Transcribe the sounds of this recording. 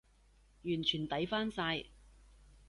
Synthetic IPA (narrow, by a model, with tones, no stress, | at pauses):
jyː˨˩nt͡ʃʰyː˨˩nt̪ɐ˨˥jfaː˥nsaː˧j